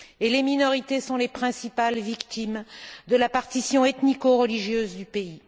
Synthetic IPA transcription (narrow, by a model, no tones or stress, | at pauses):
eleminɔʁit̪esɔ̃lepχɛ̃sipalvikt̪imd̪əlapaʁt̪isjɔ̃ɛt̪nikoʁəliʒjøzd̪ypei